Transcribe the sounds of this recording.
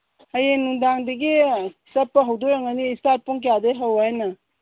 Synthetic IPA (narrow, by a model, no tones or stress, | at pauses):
ajenːuŋdaŋdɐɡisɐpːɐɦɐwdojaŋaniːstat̚puŋk̬jadeɦawajnɐ